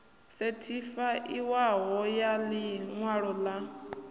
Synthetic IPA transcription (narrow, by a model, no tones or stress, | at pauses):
setʰifaʔiwaɦɔjaliŋwaɺɔla